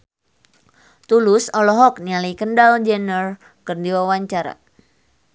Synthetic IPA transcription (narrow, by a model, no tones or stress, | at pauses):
t̪ulʊsɔlɔɦɔk̚nialikəndald͡ʒɛnər | kərdiwawaɲt͡ʃaɾa̰